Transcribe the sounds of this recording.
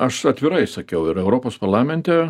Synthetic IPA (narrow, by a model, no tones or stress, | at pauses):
ɐʃɐt̪ʲʋʲɪɾɐɪsɐkʲɛʊɪɾɛʊɾoːpoːspɐɾlˠɑːmʲɛnʲt̪ʲɛ